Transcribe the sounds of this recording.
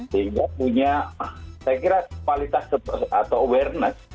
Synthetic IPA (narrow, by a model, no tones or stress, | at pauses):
t̪eɡapuɲasajakiɾakwalit̪asat̪awɛrnəs